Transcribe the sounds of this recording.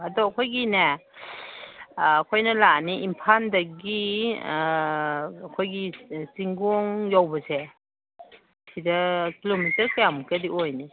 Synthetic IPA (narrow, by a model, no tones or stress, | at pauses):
ɐdɔɐkʰojɡina | kʰojnɐlaniimpʰandɐɡi | kʰojɡisiŋɡɔŋjawbɐse | sʰidɐkilomitɐɾkɐjamukɐdiʔojni